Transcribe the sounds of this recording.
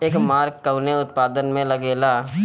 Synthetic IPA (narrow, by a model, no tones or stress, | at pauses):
eːkmaːɾkːəʊneʊt̪̚paːd̪ənmẽlɐɡeːlaː